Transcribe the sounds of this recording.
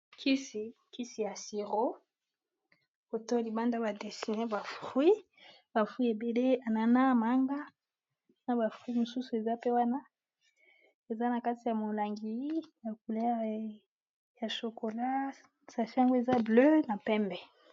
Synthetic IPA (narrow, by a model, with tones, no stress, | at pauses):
kʰi˦si˨ki˦si˨ja˨si˨ʁo˦ | ko˨to˦li˨ba˦nda˦ba˨de˨si˨ne˦ba˨fwi˦ | ba˨fwi˦e˨be˨le˦a˨na˨na˦ma˨˦ŋɡa˦ | na˦ba˨fi˦mo˨su˦su˨e˨za˦pe˦wa˦na˦ | e˨za˦na˨ka˦ti˨ja˨mo˨la˨ŋɡi˨˦ja˨ku˨le˦˨ | ja˨ʃo˨ko˨la˦ | sa˨fi˦a˦ŋɡo˦e˨za˦blø˦na˨pɛ˦mbɛ˨